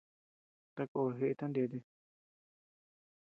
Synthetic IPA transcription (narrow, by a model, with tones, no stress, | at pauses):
t̪a˧ko˧˨˧ɦe˧ʔe˧t̪a˦nd̪e˧d̪e˧